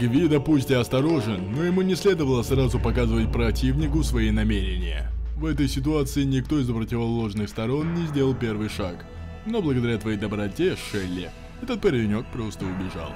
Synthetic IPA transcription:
ɡvʲid̪əpusʲtʲɪɐst̪ɐɾo̞ʐɨnːo̞jɪmunʲɪsʲlʲe̞d̪əvəlˠəsɾazʊpɐkazɨvətʲpɾɐtʲivnʲɪkʊsvɐinɐmʲeɾʲɪnʲɪjə̰vɛt̪əjsʲɪt̪ʊat̪sɨɪnʲɪkt̪o̞ɪzəpɾətʲɪvɐlˠoʐnɨxst̪ɐɾo̞nnʲɪzʲdʲe̞ləlˠpʲe̞rvɨjʂak | no̞blˠəɡəd̪ɐɾʲat̪vɐjejd̪əbɾɐtʲeʂɛlʲːɪ̰ | ɛt̪ət̪̚pəɾʲɪɾʲɪnʲo̞k̚pɾo̞st̪əʊbʲɪʐa̰lˠ

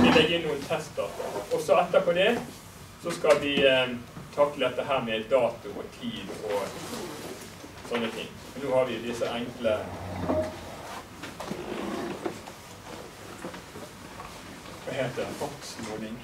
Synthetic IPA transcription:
jɪleːɡɪnnuːənt̪ʰɛst̪̚ɑʁt̪ə̰ɔsɔɛt̪ːəpʰoːd̪ɛ | sɔskɑlʋɪ | t̪ʰɑkləd̪ɛt̪ːəɦæːʁmɛd̪ɑːt̪ʊɔt̪ʰiːd̪ɔ | sɔnːət̪ʰɪ̰ŋː | mɛnːoːhɑɾʋɪd̪ɪsəʔæŋklə | ʋɑheːt̪əfɔksmuːnɪŋ

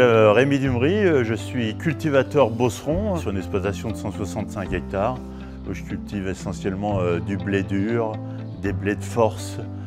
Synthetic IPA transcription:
ɛʁemid̪ymʁiøʒəsɥikʲylt̪ivat̪œʁbosχɔ̃syʁynɛksplɔt̪asjɔ̃d̪əsɑ̃swasɑ̃t̪sɛ̃kɛk̚t̪aʁ | uʒəkʲylt̪ivesɑ̃sjɛlmɑ̃ød̪yblɛd̪yʁ | d̪ebled̪əfɔʁs

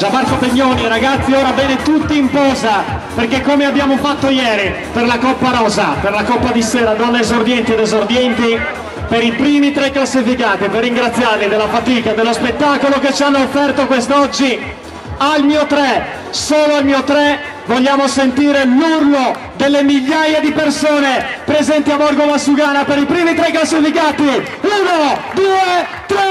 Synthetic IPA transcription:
d͡ʒabark̪opeɲːoːniɾaɡat̪sːioːɾavjɛːnet̪ut̪ːiːmpɔːza | perkekːomeabːjaːmofat̪ːojɛːɾi | perlakɔpːaɾɔːzaperlakɔpːad̪isɛːɾad̪ɔnːaezord̪jɛnt̪id̪ezord̪jɛnt̪i | peɾipɾiːmit̪ɾɛkːlasːifikaːt̪iperːiŋɡɾat̪sːjarlid̪elːafat̪iːkad̪elːospet̪ːakoloket͡ʃːianːoːfːɛrt̪okwest̪ɔd͡ʒːi | almiːot̪ɾɛ | soːloalmiːot̪ɾɛ | voʎːaːmosent̪iːɾelurlo | d̪elːemiʎːajad̪ipersoːnepɾezɛnt̪iabɔrɡomasuɡaːnapeɾipɾiːmit̪ɾɛkːlalsifikaːt̪i | uːnod̪uːe | t̪ɾɛ

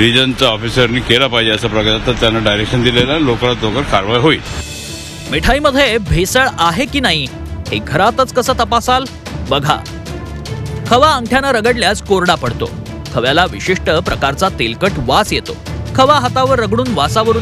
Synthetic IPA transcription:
ɾid͡ʑənt͡saɔfisəɾniːkelapaɦid͡ʑeəsapɾəɡjat̪əɾt̪janːaɖajɾekʂənd̪ilelalokaɾat̪d̪okəɾkʰaɾʋajɦoiːl | miʈʰaiməd̪ʱjebʱesəɭaɦekiːnaɦi | heɡʱəɾat̪ət͡skəsəːt̪əpasal | bəɡʱa̰ | kʰəʋaəŋɡʈʰjanaɾəɡəɽljat͡skoɾɽapəɽt̪o̰ | kʰəʋjalaʋiɕiʂʈəpɾəkaɾt͡sat̪elkəʈʋasjet̪o̰ | kʰəʋaɦət̪aʋəɾːəɡɽ̃uːnʋasaʋəɾuː

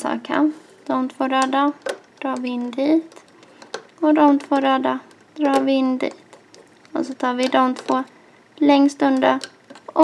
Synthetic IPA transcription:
sɑ̰ːkʰa̰n | d̪̥ɔmt̪ʰv̥oːɾɛd̪ad̪̥ɾɑːɾvɪɪnːd̪iːt̪ | ɔd̪ɔmt̪ʰvoːɾɛːd̪a | d̪̥ɾɑːɾvɪɪnːd̪ḭːt̪ | ɔ̰sɔt̪ʰɑːɾvɪd̪ɔmt̪ʰvoː | lɛŋst̪ɵnd̪ə | ɔ

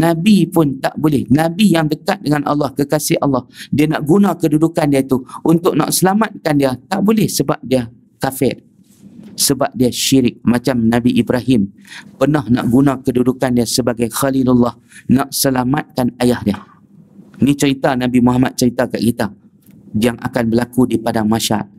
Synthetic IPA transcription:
nãbipʊnt̪a̰ʔbolɛhnãbijaŋdəkat̪̚dəŋanʔɑ̰lːɑhkəkasɪhʔɑlːɑhdianaʔɡunãkədudukandiat̪uʔunt̪ʊk̚na̰ʔsəlamat̪̚kandiat̪aʔbolɛhsəba̰p̚dia | kafɛr | səbap̚diaʃiɾɪk̚mãt͡ʃamnãbiʔibɾaɦɪmpərnahna̰ʔɡunãkədudukandiasəbaɡajxalilulːɑh | naʔsəlamat̪̚kanajahdia | nĩt͡ʃəɾit̪anãbimuɦamat̪̚t͡ʃəɾit̪akaʔkit̪a | jaŋa̰kanbəlakudipadaŋmaʃaa̰t̪̚

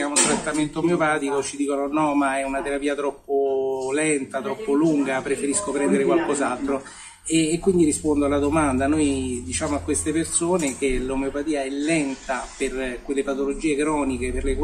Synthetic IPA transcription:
aunt̪ɾat̪ːament̪omeopaːt̪ikot͡ʃid̪iːkononɔmaɛunat̪eɾapiːat̪ɾɔpːolɛnt̪at̪ɾɔpːoluŋɡapɾefeɾiskopɾɛnd̪eɾekwalkɔzalt̪ɾo | eːkːwind̪iɾispond̪oalːad̪omand̪anojd̪it͡ʃaːmoakːwest̪epersoːnek̟elomeopat̪iːaɛlːɛnt̪aperkwelːepat̪olod͡ʒiːekɾɔːnikeperlek

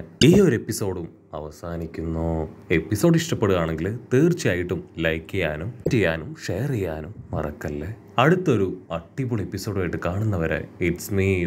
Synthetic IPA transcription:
iːo̞ɾepːiso̞ːɽum | ɐ̰ʋɐsaːnikʲːunːoːe̞pːiso̞ːɽiʂʈɐpːe̞ɽuɣaːɳe̞ŋɡilt̪eːrt͡ɕːijaːjiʈːumlɐjkːɐjaːnumt͡ɕejːaːnumʂejɐrejːaːnumʋɐ̰rɐ̰kːɐlːeː | ɐɽut̪ːɐoɾuɐʈːipuɭepːiso̞ːɽuaːjiʈːɨkaːɳunːɐʋɐɾḛiʈsmiː

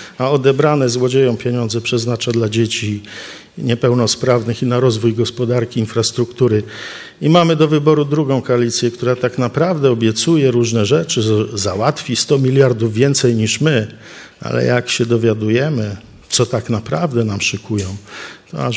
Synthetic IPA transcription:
aɔd̪ɛbɾanɛzwɔd͡ʑejɔ̃w̃pʲjeɲɔ̃nd̪zɛpʂɛznat͡ʂad̪lad͡ʑet͡ɕi | ɲɛpɛwnɔspɾavnɘxinaɾɔzvujɡɔspɔd̪aɾkʲiːnfɾast̪ɾukt̪uɾɘ | imamɘd̪ɔvɘbɔɾud̪ɾuɡɔ̃w̃kɔalʲit̪sʲjɛk̚t̪uɾat̪aknapɾavd̪ɛɔbʲjɛt̪sujɛɾuʐnɛʐɛt͡ʂɘzawat̪fʲist̪ɔmʲilʲjaɾd̪uvːʲjɛnt̪sɛjɲiʂmɘ | a̰lɛ̰jakɕɛd̪ɔvʲjad̪ujɛmɘ | t̪sɔt̪aknapɾavd̪ɛnamʂɨkujɔ̃w̃t̪ɔa

